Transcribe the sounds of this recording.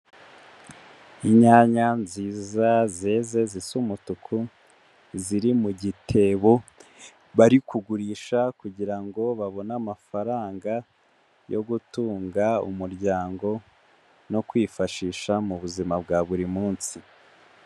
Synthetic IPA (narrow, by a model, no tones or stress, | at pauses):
iɲaːɲanziːzazeːze̞zisumutukʰu | ziɾimuɟitʰe̞βo̞ | βaɾikuɡuɾiːʃakuɟiɾaŋɡo̞βaβo̞naːmafaɾaːŋɡa | jo̞̰ɡutuːŋɡaṵmuɾɟaːŋɡo̞ | no̞kwiːfaʃiːʃamuβuzimabɡaβuɾimuːnsi